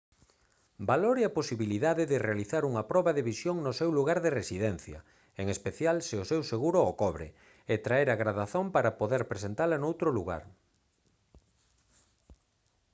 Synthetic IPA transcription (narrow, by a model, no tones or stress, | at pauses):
baloɾeaposiβiliðaðɪðɪrealiθaɾuŋɐpɾɔβɐðeβisjoŋnʊsewluɣaɾðeresiðɛn̟θjɐ̰ | eŋespeθjalsɪʊsewseɣuɾookɔβɾɪ̰ | et̪ɾaeɾaɣɾaðaθompaɾapoðeɾpɾesent̪alɐnowt̪ɾʊluɣa̰ɾ